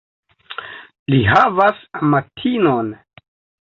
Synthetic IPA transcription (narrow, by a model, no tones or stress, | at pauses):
liɦavasamatʰinon